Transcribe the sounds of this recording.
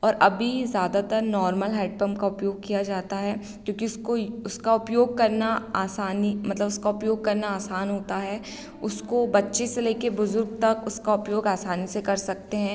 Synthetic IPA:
ɔːɾʔɐbʱizjaːd̪at̪ɐɾnɔːɾməlɦɛːʈ̚pəmkaʊpjoːɡ̚kijad͡ʒaːt̪aɦɛ | kjõːkiʊskoʊskaʊpjoːɡ̚kɐɾnaaːsaːnimɐt̪ləbʊskaʊpjoːɡ̚kɐɾnaaːsaːnɦoːt̪aɦɛː | ʊskobɐtːʃeseleːkebʊzʊɾɡ̚t̪ɐkʊskaʊpjoːɡaːsaːnisekɐɾsɐk̚t̪eɦɛ̃ː

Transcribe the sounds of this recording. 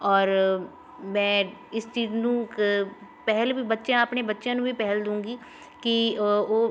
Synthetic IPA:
ɔːɾ | mɛ̃ːɪst͡ʃiːznũːkpɛɦlbiːbətːʃjãːəpɳeːbətːʃjãːnũːbiːpɛɦld̪ũːŋɡiː | kɪoː

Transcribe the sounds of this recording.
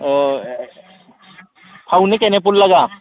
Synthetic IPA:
pʰaunekenep̬ʊllɐɡaː

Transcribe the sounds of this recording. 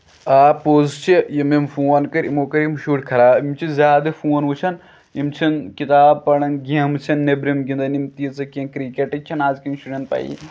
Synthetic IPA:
aːpoːzt͡ʃʰijɐmimfuːɐnkɐɾḭmoːkɐɾimʃuːʈkʰɐɾaːimt͡ʃʰizʲaːd̪ɐfuːɐnʋut͡ʃʰɐn | imt͡ʃʰinkit̪aːb̚pɐɽɐnɡɐmt͡ʃʰɐnːebɾimɡĩnd̪ɐnimt̪iːt͡sɐkɐnkɾikeʈɐt͡ʃʲʰɐnaːzkinnʃʈuɾʲent̪̚pɐ̰ḭ

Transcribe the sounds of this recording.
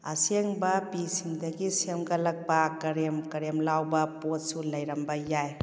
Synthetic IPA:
ɐ̰seŋbɐpisiŋdɐɡisemɡɐlɐk̚bakɐɾemkɐɾemlawbɐpot̚sulɐjɾɐmbɐjaj

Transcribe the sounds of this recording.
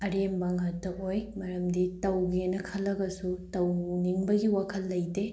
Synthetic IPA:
ɐɾembaŋɐtːɐʔojmɐɾɐmditɐwɡenɐkʰɐlːɐɡɐsutɐwniŋbɐɡiwakʰɐlːɐjde

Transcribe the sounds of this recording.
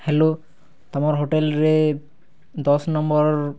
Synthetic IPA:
helo | t̪amɔɾɦoʈelɾe | d̪ɔsnɔmbɔɾ

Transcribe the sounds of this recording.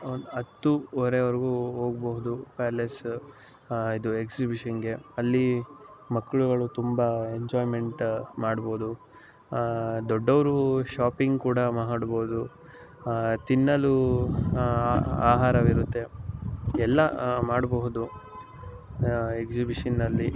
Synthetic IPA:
nd̪ɐt̪ːuɔɾeʋɐɾiɡuɦoːɡboɦud̪upæːɾles | id̪ueksibiʂɐnɡe̞ɐlːimɐkːɐɭuɡɐɭut̪umbɐeɲd͡ʒaːjme̞ɳʈmaːɽboːud̪u | d̪ɔɖːɐʋɐɾuʃaːpiŋɡkuːɽɐmɐɦaɽboːud̪u | t̪inːɐlu | a̰ːɦaːɾɐʋiɾut̪ːe̞ | ɛlːɐmaːɽboɦud̪u | eksibiʂɐnːɐlːi

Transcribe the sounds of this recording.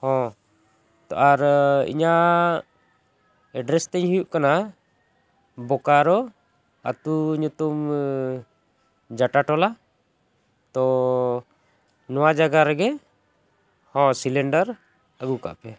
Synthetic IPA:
hɔ̃ | t̪ɔʔaɾḭɲa | ɛɖɾɛst̪ɛɲhijuʔkana | bɔkaɾɔ | at̪uɲut̪um | d͡ʒaʈaʈɔla | t̪ɔ | nɔwad͡ʒaɡaɾɛɡɛ | hɔ̃silɛɳɖaɾ | əɡuka̰ʔpɛ

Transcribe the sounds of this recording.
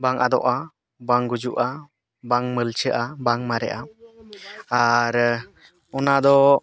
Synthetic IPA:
baŋʔad̪ɔ̰ʔa | baŋɡud͡ʒuʔa | baŋməlt͡ʃʰəʔabaŋmaɾɛʔa | aɾ | ɔnad̪ɔ

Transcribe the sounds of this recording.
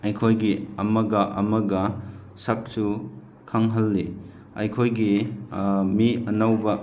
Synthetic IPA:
ɐjkʰojɡiɐmɐɡɐʔɐ̰mɐɡɐ | sɐk̚su | kʰaŋɦɐlːi | ɐjkʰojɡi | miɐnawbɐ

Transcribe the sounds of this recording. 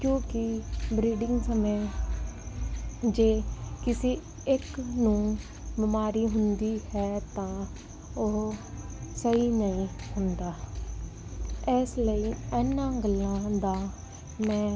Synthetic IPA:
kjõːkɪbɾiːɖɪ̃ŋɡsəmeː | d͡ʒeːkɪsiː | ɪknũː | bɪmaːɾiːɦʊnd̪iːhɛːt̪ãː | o | səiːnəĩːhʊnd̪aː | ɛːsləiːɛːnːãːɡəlːãːd̪aː | mɛ̃ː

